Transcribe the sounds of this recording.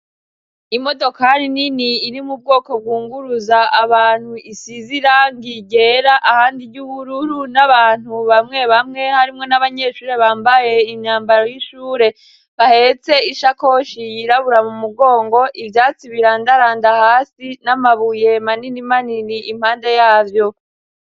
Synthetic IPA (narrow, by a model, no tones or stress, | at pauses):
imo̞do̞kaɾininiːɾimub̚ɡo̞ːko̞b̚ɡuːŋɡuɾuzaaβaːn̥huʔisiziɾaŋɡiɡe̞ɾaʔahaːndiɟuβuɾuɾunaβaːn̥huβamŋe̞βamŋe̞haɾimŋo̞naβaɲe̞ʃuːɾe̞βaːmbajeimɲaːmbaɾo̞jiʃuːɾe̞ | βahe̞t͡se̞iʃako̞ʃijiɾaβuɾamumuɡo̞ːŋɡo̞ʔivjaːt͡siβiɾandaɾaːndahaːsinamaβuje̞maninimaniniʔim̥haːnde̞jaːvjo̞